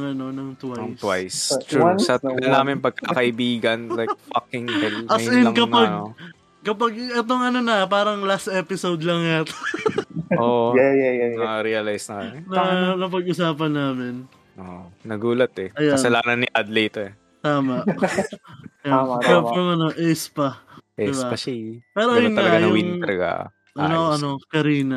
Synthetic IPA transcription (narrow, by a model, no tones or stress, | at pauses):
ɐŋɐno̞nɐŋt̪wat̪wajst̪ɹusɐt̪d̪ɐnaːmɪnpɐɡ̚kakɐʔɪbiːɡɐnlajk̚fɐkɪŋɐlɐjɪnɐŋkɐpɐnɡ̪o | kɐpɐɡ̚ɛt̪̬o̞ŋɐno̞nɐpaːɾɐŋlast̪ʔɛːpɪsowd̪lɐŋjat̪o | ʔoʔɛjɛjɾiɐlajsnɐknɐnɐp̬ɐɡʔʊsaːp̬ɐnːaːmɪn | ʔonɐɡuːlɐt̪ɛɐjaɐsnɐlaːnɐniʔad̪lejt̪ɛ | t̪aːmɐʔ | ɐfɹɐmɐno̞ʔɛspɐʔɛd̪ɪsbaɐpɛːɾojʊnɐŋaɐɡaj̪ɐwiŋnɐlɐɡa̰ | ʔɐnoʔʔɐnokɐɾiːnɐ